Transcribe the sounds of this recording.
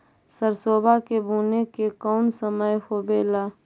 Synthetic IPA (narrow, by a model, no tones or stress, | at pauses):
səɾsoːbʱakebʱuːnekekɔːnsəməjhobeːlaː